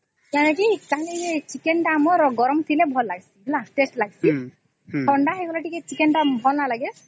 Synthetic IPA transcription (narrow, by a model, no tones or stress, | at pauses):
janekikaɦnit͡ʃikɛnʈamɔɹɡɔɾɔmt̪ʰilɛbʱɔlːaɡisiblaʈesʈlaɡisi | tʰɔɳɖaxeɡɔlaʈikɛt͡ʃikɛnʈambʱɔlnalaɡɛ